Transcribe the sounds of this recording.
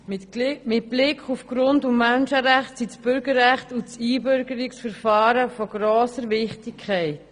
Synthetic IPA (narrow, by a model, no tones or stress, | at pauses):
mɪt̚b̥lɪkχufɡ̥ɾʊndʊmmɛnʃəɾæχtsisb̥ʏɾɡəɾːæχtut͡siːbʏɾɡəɾɪksfəɾfɑːɾəfɔɡ̥ɾoːsəɾvɪχtɪkʰːɛɪt